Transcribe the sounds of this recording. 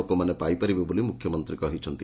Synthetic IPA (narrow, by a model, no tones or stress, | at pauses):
okomanepajpaɾibebolimukʰːjɔmɔnt̪ɾikɔɦit͡ʃʰɔnt̪i